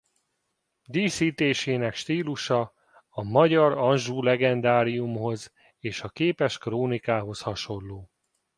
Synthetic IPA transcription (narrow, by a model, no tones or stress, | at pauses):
d̪iːsiːt̪eːʃeːnɛkʃt̪iːluʃɒ | ɒmɒɟɒɾɒnʒuːlɛɡɛnd̪aːɾijumho̞z | eːʃɒkeːpɛʃkroːnikaːɦo̞shɒʃo̞lːoː